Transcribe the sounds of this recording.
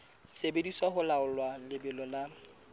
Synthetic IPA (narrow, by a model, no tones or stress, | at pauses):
sebediswaχʊlaʊlwalɪbɪlɔla